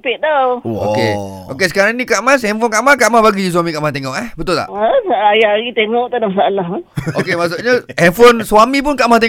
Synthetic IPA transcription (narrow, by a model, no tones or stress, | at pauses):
pɪʔ̚d̪awʔo̰kḛ | ʔokesə̥kaɾaŋnikaʔmasɛmfʊnkaʔmakaʔmahbaɡis̬wamikaʔmaht̪eŋɔʔɛhbət̪ʊlt̪a̰ʔəsaajaaɾit̪eŋɔʔt̪anamasaalahʊnʔokemas̬ʊʔɲaɛmfonswamĩp̬ʊnkaʔmaht̪e